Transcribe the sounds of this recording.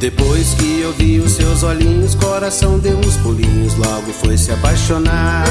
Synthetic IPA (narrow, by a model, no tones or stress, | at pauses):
d̪̥epojskɪewviʊsːewzoʎĩɲʊskoɾasɐ̃w̃d̪ɪuũspulĩɲʊzlɔɡʊfojsɪapajʃona